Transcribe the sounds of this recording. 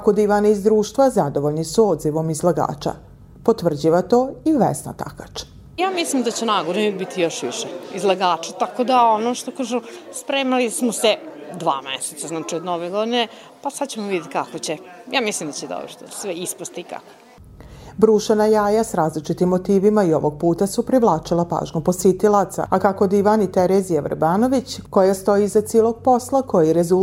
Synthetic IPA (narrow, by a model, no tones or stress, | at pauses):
akod̪iːʋaniizd̪ɾuːʃt̪ʋazad̪oʋoʎnisuod̪ziʋo̞mizlaɡa̰ːt͡ʃa̰ | pot̪ʋr̩d͡ʑiʋat̪oːiʋḛsna̰t̪a̰kat͡ʃ | jaːmislimd̪at͡ɕenaːɡoɾibit̪ʰijo̞ʃʋḭʃeizlˠaɡaːt͡ʃat̪akod̪aonoʃt̪okaːʒuspɾeːmalismosed̪ʋa̰ːmḛset̪saznaːt͡ʃiod̪noʋeɡod̪ine | pasad̪t͡ɕemoʋid̪et̪kakot͡ɕejaːmislimd̪at͡ɕed̪o̰bɾot̪sʋeispost̪iika̰ko | bɾuːʃenajaːjasɾaːzlit͡ʃit̪imːo̞t̪iːʋimaio̞ʋo̞ɡ̚puːt̪asupɾiʋlˠaːt͡ʃilˠapa̰ːʒɲuposit̪ilˠat̪sa̰akako̞d̪iʋanit̪eɾezijaʋ̰ɾbaːno̞ʋit͡ɕko̞jast̪o̞jizat̪siːlˠo̞ɡ̥̚po̞slako̞jiɾezu